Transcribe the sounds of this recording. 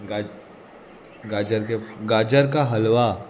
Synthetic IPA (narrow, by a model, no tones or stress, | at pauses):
ɡa | ɡaːd͡ʒəɾkeɡaːd͡ʒəɾkaɦɐlʋa